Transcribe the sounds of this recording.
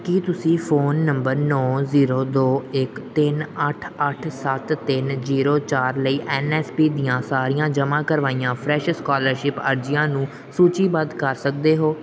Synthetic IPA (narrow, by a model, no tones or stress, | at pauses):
kiːt̪ʊsĩːfʰoːnːəmbəɾnɔːziːɾoːd̪oːɪkt̪ɪnəʈʰəʈʰsət̪t̪ːɪnziːɾoːt͡ʃaːɾləiːʔɛːnɛːspiːd̪ɪjãːsaːɾijãːd͡ʒəmãːkəɾʋaːijãːpʰɾɛːʃskaːləɾʃɪpə̰ɾd͡ʒɪjãːnũː | suːt͡ʃiːbəd̪kəɾsək̚d̪eːɦoː